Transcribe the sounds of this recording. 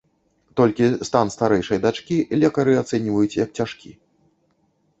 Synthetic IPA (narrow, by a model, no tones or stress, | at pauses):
t̪ɔlʲkʲist̪anst̪aɾɛjʂɐjd̪at͡ʂkʲilʲɛkɐɾɨat̪sɛnʲivɐjut͡sʲjɐk̚t͡sʲaʂkʲi